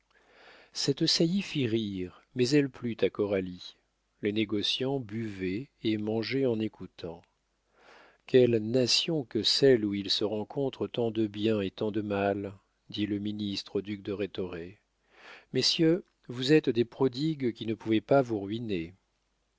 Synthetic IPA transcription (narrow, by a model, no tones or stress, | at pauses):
sɛt̪sajifiʁiʁmɛzɛlplyt̪akɔʁali | leneɡɔsjɑ̃byvɛːmɑ̃ʒeɑ̃nekut̪ʰɑ̃ | kʰʲɛlnasjɔ̃kəsɛluilsəʁɑ̃kʰɔ̃t̪χət̪ɑ̃d̪əbjɛ̃et̪ɑ̃d̪əmal | d̪iləminist̪χod̪yk̚d̪əʁet̪ɔʁe | mesjø | vuzɛt̪d̪epχɔd̪iɡkʲinəpuvɛpavuʁɥine